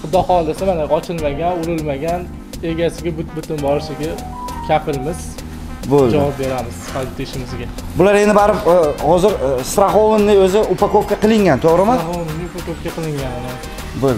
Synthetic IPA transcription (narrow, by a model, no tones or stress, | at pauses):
ʊd̪ɒhɒlˠɪsɪmanaɒt͡ʃʰɪlmaɡʲanʊɾɪlmaɡʲan | e̞ɡʲasɪɡʲabʊt̪bʊt̪ʰɪnbɒɾsɪɡʲa | kʲʰapʰɪlmɪz̥ | bold͡ʒavɒp̚be̞ɾamɪz̥sfaɪt̪ʰeʃɪmɪzɡʲa | bʊlaɾe̞nd̪ɪbaɾɪphɒzɪɾst̪ɾaχowɪnːɪɵzɪʊpakop̚kʲaqɨlˠɪŋɡʲant̪ʰoʁɾɪmɪhowɪnnːɪʊpakop̚kʲaqʰɨlˠɪŋɡʲanɪnɪ | bol